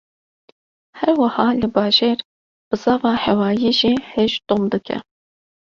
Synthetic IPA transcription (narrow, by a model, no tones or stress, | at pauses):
hɛɾwɐhɑːlɨbɑːʒeːɾ | b̥ɨzɑːvɑːhɛwɑːjiːʒiːheʒd̪̥omd̪ɨkʰɛ̰